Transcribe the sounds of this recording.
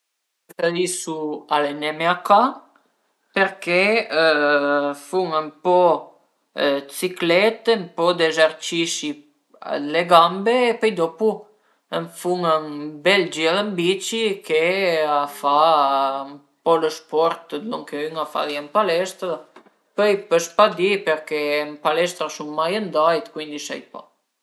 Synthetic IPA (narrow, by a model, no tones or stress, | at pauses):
taðisualenɛmeaka | peɾke | fuŋəmpɔ | t͡siklɛt̪əmpɔd̪ezaɾt͡ʃiʃi | leɡambeːpɛjd̪ɔpu | əɱfuŋənbɛld͡ʒiɛləmbit͡ʃikɛafa | m | pɔləspɔɾt̪d̪ɔŋkɛyŋafa̰ðiɛmpalɛst̪ɾa | pəjpəspad̪ipɛɾkɛmpalɛst̪ɾaʃumːajənd̪ajt̪kwind̪iʃa̰jpa̰